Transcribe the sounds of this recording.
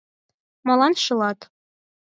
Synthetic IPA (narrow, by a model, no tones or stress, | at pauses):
mɑlˠɑnʃɤ̆lˠɑt̪